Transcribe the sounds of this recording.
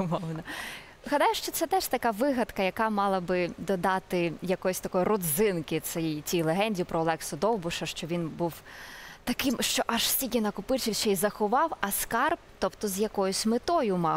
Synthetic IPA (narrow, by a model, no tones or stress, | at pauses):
ʊmɔwnɐ | ɦɐd̪ɑjʊʃt͡ʃɔt̪sɛt̪ɛʃt̪ɐkɑʋɪɦɐt̪kɐjɐkɑmɑlˠɐbɪd̪ɔd̪ɑt̪ɪjɐkɔjʊsʲt̪ɐkɔjʊrɔd̪zɪnkɪt̪sɛt͡sʲijlˠeɦɛnʲdʲijipɾɔːlˠɛksʊd̪ɔwbʊʃɐʃt͡ʃɔʋʲinbuwt̪ɐkɪmʃt͡ʃɔʔɐʒsʲikʲinɐkʊpɪt͡ʃiwʃt͡ʃɛjzɐxʊʋɑwɐskɑrpt̪ɔpt̪ɔzjɐkɔjʊsʲmɪt̪ɔjʊmɑ